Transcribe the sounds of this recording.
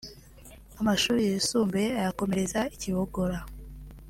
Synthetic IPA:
amaʃuːɾijeusuːmbe̞ajako̞me̞ɾe̞zaiciβoɡo̞ɾa

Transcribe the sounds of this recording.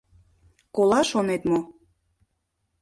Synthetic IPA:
kolɑʃonet̪mo

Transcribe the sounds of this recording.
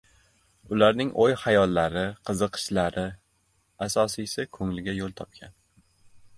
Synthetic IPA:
ʊlaɾnɪŋʔojhajɒlˠːaɾɪqʰɨzɨqʰɨ̥ʃlaɾʔɪ | asɒsijsɪkʰɵŋlɪɡʲajolˠt̪ʰɒp̚kʲʰan

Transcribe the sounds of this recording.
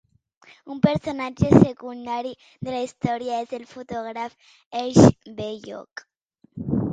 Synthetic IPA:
umpeɾsonad͡ʒesekund̪aɾi | ðelaist̪oɾjaezðelfot̪oɣɾaf | eʃbejo̰k

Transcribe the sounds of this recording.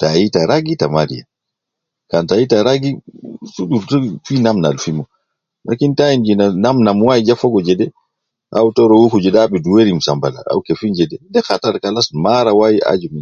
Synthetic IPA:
tajitaɾaɡitamaɾḭja̰ | kantajitaɾaɡisudufinamna̰lfimɔ | la̰kintaind͡ʒinanamnamwajid͡ʒafɔɡɔd͡ʒɛdɛ | ʔa̰wtɔɾɔwukud͡ʒɛdaɓɛduweɾimsambala̰a̰wkefind͡ʒɛdɛdɛxataɾkalasmaɾawajia̰d͡ʒumin

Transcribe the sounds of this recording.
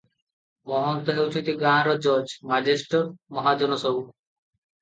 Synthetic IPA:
mɔɦont̪oɦeut͡ʃʰot̪iɡaɾɔd͡ʑɔd͡ʑmad͡ʑeʃʈoɾmɔɦad͡ʑɔnosou

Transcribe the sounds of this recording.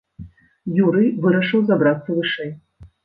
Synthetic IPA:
juɾɨjvɨɾɐʂɨwzabɾat̪sːɐvɨʂɛj

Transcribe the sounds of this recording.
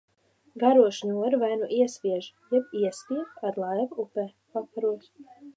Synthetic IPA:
ɡaɾuɔʃnʲuɔɾvajnuʔiɛsʲpʲiɛʒjɛbiɛspʲiɛkad̪lˠajvupɛː | pakaɾuɔs

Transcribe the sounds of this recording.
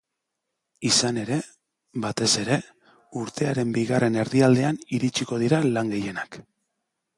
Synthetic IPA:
isane̞ɾe̞ | βat̪e̞se̞ɾe̞ | uɾt̪e̞aɾe̞mbiɣare̞ne̞ɾðiald̪e̞aniɾit͡ʃiko̞ð̞iɾalaŋɡe̞je̞nak

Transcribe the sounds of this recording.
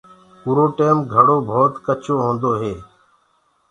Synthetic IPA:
puːɾoːʈeːmɡʱəɽoːbʱoːt̪kət͡ʃʰoːɦõːnd̪oːɦeː

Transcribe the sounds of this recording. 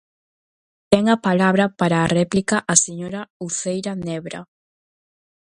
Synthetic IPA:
t̪ɛŋɐpalaβɾɐpaɾaːrɛplikɐʔaseɲoɾɐuθejɾɐnɛβɾɐ̰

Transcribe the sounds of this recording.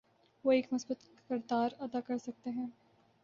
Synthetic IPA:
ʋoːeːkmʊsbət̪ | kəɾd̪aːɾɐd̪akɐɾsɐk̚t̪eɦɛ̃ː

